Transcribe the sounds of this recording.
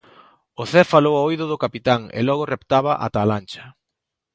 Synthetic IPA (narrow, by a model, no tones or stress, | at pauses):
ʊθɛfalowaoiðʊðʊkapit̪aŋɪ̰lɔɣʊrept̪aβɐʔa̰t̪alant͡ʃɐ̥